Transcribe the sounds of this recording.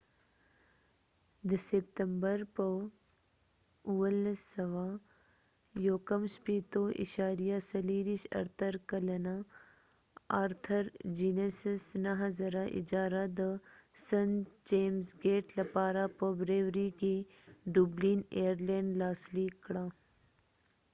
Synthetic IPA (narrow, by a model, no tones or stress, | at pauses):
d̪əsep̚t̪əmbəɾpə | uʋəlsːɐʋa | joːkəmspiːt̪oʔḭʃaːɾijasɐliːɾiʃɐ̰ɾt̪ʰəɾkɐlɐna | aɾt̪ʰəɾd͡ʒiːnesesnɐɦɐzɐɾaʔɪ̰d͡ʒaːɾad̪əsɐnt͡ʃeːmsɡeːʈlɐpaːɾapəbɾeːʋɾiki | ɖubliːneːəɾlẽːɳɖlaːsliːkɽa